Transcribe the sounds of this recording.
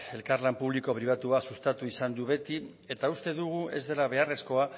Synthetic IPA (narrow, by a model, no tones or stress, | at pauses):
e̞lkaɾlampuβ̞liko̞pɾiβ̞at̪uasust̪at̪uisand̪uβe̞t̪i | e̞t̪aust̪e̞ðuɣ̞ue̞̰zðe̞laβ̞e̞are̞sko̞a